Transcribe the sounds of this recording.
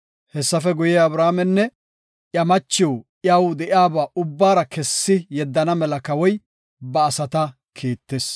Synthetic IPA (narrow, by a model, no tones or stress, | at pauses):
hɛsːɐfɛɡʊjeːɐbɾaːmɛnːɛ | ʔjɐmɐt͡ʃːɪjoʔjɐwd̪ɛʔɪaːbaːʊbːaːɾɐkɛsːɪjɛd̪ːɐnɐmɛlɐkɐwɔj | bɐːsɐt̪ɐ | kʰeːt̪ːeːs